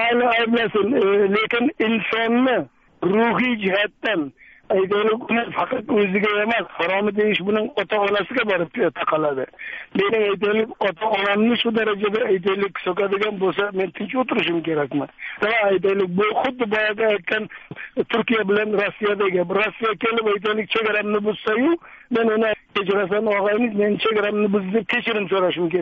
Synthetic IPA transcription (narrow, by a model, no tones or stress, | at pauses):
alɪajblasɪnlekʲɪnɪnsɒnːɪ | ɾʊɦɪjd͡ʒɪhat̪ːan | ajt̪ajlɪkʲʊnɪŋfɑqɑt̪ɵzɪɡʲaemashɒɾɒmɪd̪e̞jɪʃbʊnɪŋɒt̪ʰaːnasɪɡʲabɒɾɪp̚t̪ʰɑqʰɑlad̪ɪme̞nɪŋajt̪̬ajlɪkʲɒt̪ʰaɒnamnɪʃʊd̪aɾad͡ʒad̪aːjt̪̬ʰajlɪkʲsokad̪ɪɡʲanbolˠs̬ame̞nt̪ʰɪnt͡ʃot̪ɪɾɪʃɪmkʲe̞ɾakʲmɪamaːjt̪ajlɪk̚ʲbʊχʊd̪ːɪbɒjaɡʲaːjt̪̚kʲʰant̪ʰʊɾkʲijabɪlanɾosːijad̪aɡʲɪbɪɾosːijakʲe̞lɪpajt̪̬ajlɪk̚ʲt͡ʃʰeɡʲaɾamnɪbʊz̥sajʊme̞nʊnɪkʲe̞t͡ʃɪɾas̬anɒʁɑjmɪzme̞nɪt͡ʃʰeɡʲaɾamnɪbʊzd̪ep̚kʲʰe̞t͡ʃʰɪɾɪmsoɾaʃɪmkʲe